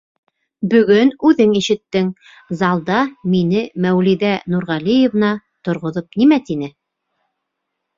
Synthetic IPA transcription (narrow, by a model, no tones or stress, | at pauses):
bɵ̆ɡɵnʉðɘŋiʃɘ̆t̪ːɘŋ | zɑlˠd̪ɑminɘmæwliðænuɾʁɑlijĕvnɑ | t̪ŏɾʁŏðopnimæt̪inɘ